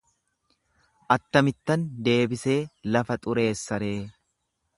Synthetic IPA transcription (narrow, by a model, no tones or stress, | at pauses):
ʔɐt̪ːɐmɪt̪ːɐnd̪e̞ːbɪse̞ːlɐfɐt̪ʼʊɾe̞ːsːɐɾe̞ː